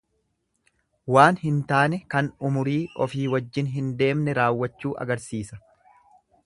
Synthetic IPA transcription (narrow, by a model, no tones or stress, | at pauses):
waːnhɪnt̪aːnɛkɐnʊmʊɾiːɔ̰fiːwɐd͡ʒːɪnɦɪnd̪e̞ːmnɛɾaːwːɐt͡ʃːuːʔɐ̰ɡɐɾsiːsɐ